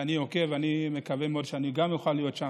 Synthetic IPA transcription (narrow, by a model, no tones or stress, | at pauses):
aniokeveanime̞kavemeo̞dʃeaniɡamjuxalːijo̞tʃa